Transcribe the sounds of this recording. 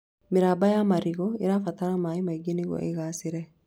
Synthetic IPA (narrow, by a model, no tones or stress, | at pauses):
mɪɾaːbɐjamɐɾɪɡɔɪ̰ɾafɐt̪ɐɾɐmaːɪmɐɡɪniɡɔ̰ʔɛ̰ɡaːsɪɾɛ